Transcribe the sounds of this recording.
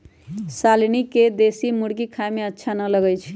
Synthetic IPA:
salnikːed̪esimuɽkikʰaemeətːʃʰanələɡəjt͡ʃʰ

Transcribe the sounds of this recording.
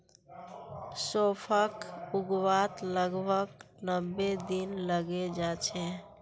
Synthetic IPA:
sopʰəkuɡwat̪ləɡbʱəknəbːed̪inləɡed͡ʒat͡ʃʰɛ

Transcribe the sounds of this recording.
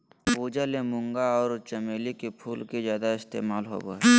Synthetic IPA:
puːd͡ʒalemʊ̃ŋɡaɔːɾt͡ʃəmeːlikepʰuːlkezjaːd̪aɪst̪ḛːmaːlɦo̰ːbo̰ːe

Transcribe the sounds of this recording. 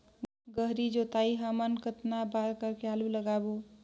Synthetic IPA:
ɡəɦɾid͡ʒot̪aiɦəmənkət̪nabaɾkəɾkealuləɡabo

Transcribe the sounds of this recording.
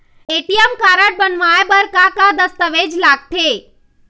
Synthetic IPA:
eʈijəmkaːɾəʈ̚bənʋaebəɾkakad̪əst̪əʋed͡ʒlaːɡ̚t̪ʰe

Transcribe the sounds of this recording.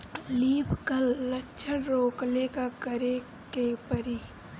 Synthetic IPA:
liːpʰkəllətːʃʰənɾoːklekakəɾe | kepəɾiː

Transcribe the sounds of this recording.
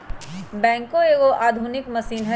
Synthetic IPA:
bɛ̃ːŋkõeːɡoʔaːd̪ʱʊnɪkmɐsiːnɦɛ

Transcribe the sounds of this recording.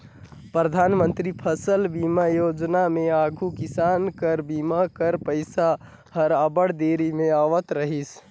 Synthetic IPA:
pɾəd̪ʱanmənt̪ɾipʰəsəlbimajod͡ʒnameaɡʱukisankəɾbimakəɾpəɪsa | həɾabəɽd̪eɾimeaʋət̪ɾəɦis

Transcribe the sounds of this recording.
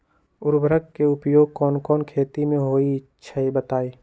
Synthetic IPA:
ʊɾbɾəkkːeʊpjoːɡ̚kɔːnkɔːnkʰeːt̪imẽɦoːiɪtːʃʰaibət̪aːiː

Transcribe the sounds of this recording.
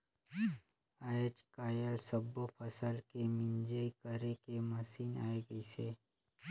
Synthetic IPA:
aːt͡ʃkaːjəlsɐbːopʰɐsəlkemɪ̃nd͡ʒekəɾekemɐsiːna̰ːeɡɐiseː

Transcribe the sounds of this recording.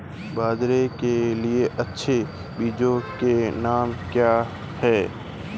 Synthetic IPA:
baːd̪ɾekelieʔɐtːʃʰe | biːd͡ʒõkenaːmkjaː | hɛː

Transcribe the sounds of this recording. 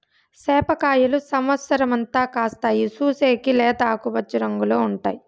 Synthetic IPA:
sɛːpɐkaːjɐlusɐmʋɐt̪sɐɾɐmɐnt̪aːkaːst̪aːjisuːseːkilɛːd̪aːkubɐt͡ʃːuɾɐŋɡuloːuɳʈa̰ːji

